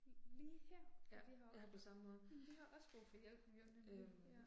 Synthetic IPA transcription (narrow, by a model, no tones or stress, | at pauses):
liːhen̰jædijahɑ̈pʰɒ̽sɑ̈məmɔ̽ːð̞̩ˠd̥ihɑ̈ʔɒ̽sb̥ʁofɒjel̰b̥hɑɡ̥jo̰d̥eø